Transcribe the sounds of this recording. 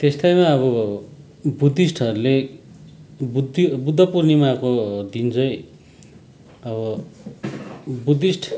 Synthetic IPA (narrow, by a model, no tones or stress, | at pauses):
t̪est̪ajmaʌβʌ | bud̪ʱisʈʰʌɾule | bud̪ibud̪ʱʌpurnimakod̪int͡sʰʌj | ʌβʌ | bud̪isʈʰ